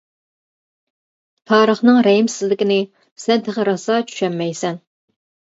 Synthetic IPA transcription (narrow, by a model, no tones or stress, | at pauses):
t̪ʰɑːɾəχnɨŋɾɛjimsɪzlɪkʲinɪ | sɛnt̪ʰɪʁəɾɑsɑt͡ʃʰy̥ʃɛmːɛjsɛn